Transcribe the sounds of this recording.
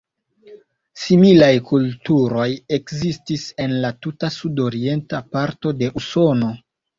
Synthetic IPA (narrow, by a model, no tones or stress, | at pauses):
similajkultuɾo̞je̞kzistise̞nlatutasudo̞ɾie̞ntapaɾto̞de̞ʔuso̞no̞